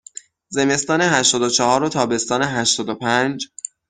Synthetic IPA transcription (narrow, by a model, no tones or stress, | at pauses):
ze̞me̞st̪ɒːne̞ɦæʃt̪ɒːd̪ot͡ʃʰehɒːɾot̪ʰɒːbe̞st̪ɒːneɦæʃt̪ɒːd̪opʰænd͡ʒ